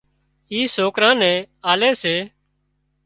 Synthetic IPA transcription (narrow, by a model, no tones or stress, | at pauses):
iːsoːkɾãːnɛ̃ːaːleːseː